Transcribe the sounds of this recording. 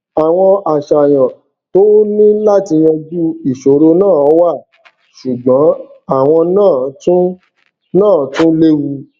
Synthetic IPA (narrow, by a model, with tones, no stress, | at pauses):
a˨w̃ɔ̃˧a˨ʃa˨j̃ã˨ | to˦nĩ˦la˦ti˧j̃ɔ̃˧d͡ʒu˦i˦˨ʃo˨˦ɾo˧nãː˦˨ɔ˨˦wa˦˨ | ʃu˨ɡ͡bɔ̃˨˦a˦˨w̃ɔ̃˧nãː˦˨˦tũ˦ | nãː˦˨˦tũ˦le˦wu˧